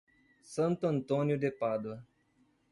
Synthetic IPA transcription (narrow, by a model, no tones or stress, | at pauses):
sɐ̃nt̪ʊɐ̃nt̪õnjʊd̪epad̪wɐ